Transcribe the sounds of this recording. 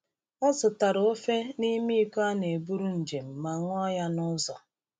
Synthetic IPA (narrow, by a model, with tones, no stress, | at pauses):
ɔ˦zʊ˨ta˨ɾʊ˨o˦fe˦ni˦mi˦i˦ka˦ne˨bu˦ɾu˦n̩˨d͡ʒe˨m̩˨ma˨ŋʷ˦ɔ˦ja˦nʊ˦zɔ̰˨